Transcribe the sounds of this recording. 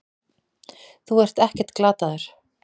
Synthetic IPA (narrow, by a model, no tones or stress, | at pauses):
θuɛr̥t̪ɛhcɛ̥t̪klaːt̪aðʏɾ̥